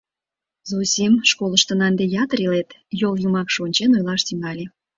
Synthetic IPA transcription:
zosʲimʃkoləʃt̪ə̆nɑnd̪ejɑt̪əɾilet̪joljumɑkʃonʲt͡ɕenojlɑʃt̪iŋɡɑlʲe

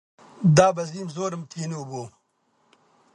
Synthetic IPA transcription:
d̪aːbɐziːmzoːɾɐmt̪ʰiːnuboː

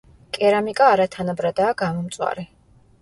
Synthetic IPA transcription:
kʼɛɾamikʼaːɾat̪ʰanabɾad̪aːɡamɔmt̪sʼwa̰ɾɛ

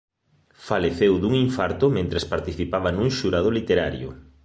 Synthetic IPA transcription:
faleθewðuŋiɱfaɾt̪ʊmẽnt̪ɾespaɾt̪iθipaβanuŋʃuɾaðʊlit̪eɾaɾjʊ̰

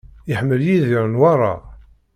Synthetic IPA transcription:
əħəmːəljiðiɾənwɑɾˤɑ̰

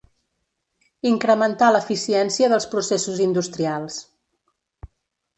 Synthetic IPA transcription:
iŋkɾəmənt̪aləfisiɛnsiəðəlˠspɾusesuzind̪ust̪ɾialˠs

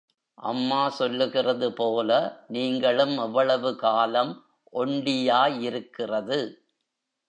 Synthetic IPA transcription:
ʔɐ̰mːaːsɔlːɯɣɪrɐðɯpoːlɐniːŋɡɐɭɯmɛʋːɐɭɐʋɯkaːlɐm | ʔɔɳɖɪjaːjɪɾɯkːɪrɐðɯ

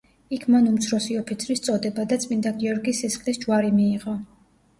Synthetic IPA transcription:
ikʰmanumt̪sʰɾɔsiɔpʰit̪sʰɾist̪sʼɔd̪ɛbad̪at̪sʼmind̪aɡiɔɾɡisisχlisd͡ʒwaɾimiːʁɔ

